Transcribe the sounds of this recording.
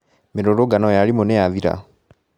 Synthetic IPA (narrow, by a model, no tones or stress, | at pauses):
meɾoɾoɡanɔjalimonejaβiɾa̰